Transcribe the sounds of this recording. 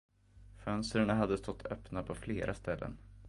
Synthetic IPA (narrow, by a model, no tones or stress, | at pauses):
fœnst̪ɾaɳaɦad̪ːəst̪ɔt̪ːʰœpnapʰɔfleːɾʔast̪ɛlːə̰n